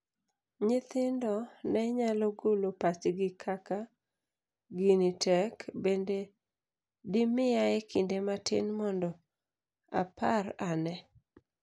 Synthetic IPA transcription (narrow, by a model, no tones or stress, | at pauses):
ɲɪt̪ɪndɔnɛɲalɔɡolopat͡ʃɡɪkʰaka | ɡinitʰɛkbende | dɪmɪjaɛkɪndematɪ̰nmɔndɔ | a̰pʰaranɛ